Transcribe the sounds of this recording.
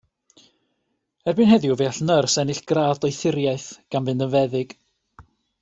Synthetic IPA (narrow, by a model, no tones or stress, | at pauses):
ɛrbɨnhɛðjuvɛaɬnərsɛnɪɬɡ̥raːðɔjθɪɾjajθɡ̥anvɨndənvɛðɪɡ̥